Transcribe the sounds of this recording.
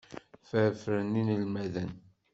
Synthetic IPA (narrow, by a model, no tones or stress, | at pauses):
fəɾfɾəninəlmæðən